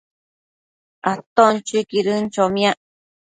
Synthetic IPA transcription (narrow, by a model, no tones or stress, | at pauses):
at̪ont͡ʃikiɾɨnt͡ʃomĩaʔ